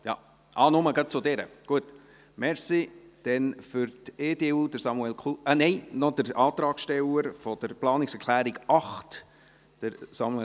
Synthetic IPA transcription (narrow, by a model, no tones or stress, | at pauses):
jɑ̰ | ʔɑːnʊməɡɑt̚t͡sʊd̪ɛɾə̰ɡ̥uət | mɛɾsid̪̥ɛnfʏɾt̪eːdeːuːd̥əɾsɑmuɛlkʰunɛɪnɔd̥̪əɾɑːt̪ɾɑːkʃtɛləɾfɔd̥əɾplɑːnɪksɛɾkʰlæːɾɪɡɑχt | d̥əɾsɑmuɛ